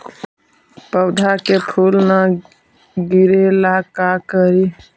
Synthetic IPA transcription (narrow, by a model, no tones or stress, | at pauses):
pəwd̪ʱakepʰulna | ɡiɾelakakəɾi